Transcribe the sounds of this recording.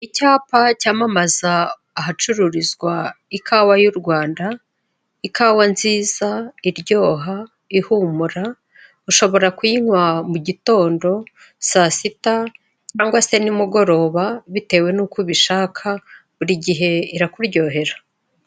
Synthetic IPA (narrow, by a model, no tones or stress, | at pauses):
icaːpacaːmamazaː | ɦat͡ʃuɾuɾizɡwaikʰaːwajuɾɡwaːnda | ikaːwanziːzaiɾɟo̞ːɦa | ihumuɾa | uʃo̞βo̞ɾakwiŋwamuɟito̞ːndo̞ | sasita | t͡ʃaːŋɡwase̞nimuɡo̞ɾo̞ːβaβite̞ːwe̞nukuβiʃaːkʰa | βuɾiɟiɦe̞iɾakuɾɟo̞ːɦe̞ɾa